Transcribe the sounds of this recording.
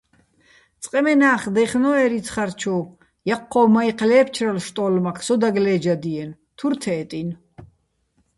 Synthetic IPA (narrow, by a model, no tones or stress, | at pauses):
t͡sʼqʼɛmɛnaːχd̪ɛχnɔɛɾit͡sʰχaɾt͡ʃʰɔ | jaqʰːɔmaiqʰʼlɛːp̚ʰt͡ʃʰɾalʃt̪ʼɔːlmakʰsɔd̪aɡlɛːd͡ʒad̪iɛn | t̪ʰuɾt̪ʰɛːt̪ʼin